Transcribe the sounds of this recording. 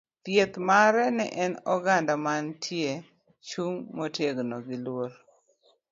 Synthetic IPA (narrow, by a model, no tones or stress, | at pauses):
t̪jet̪maɾɛnɛ̰ʔɛnɔɡandamantʰje | t͡ʃuŋmotjeɡnoɡɪlwoɾ